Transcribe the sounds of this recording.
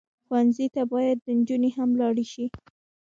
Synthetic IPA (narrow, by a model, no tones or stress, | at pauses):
xwanzit̪abɑjad̪ːənd͡ʒuneɦamlɑɽiʃi